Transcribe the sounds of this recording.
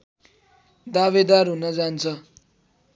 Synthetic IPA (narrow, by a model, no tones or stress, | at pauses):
d̪aβed̪arɦunʌd͡zant͡sʰʌ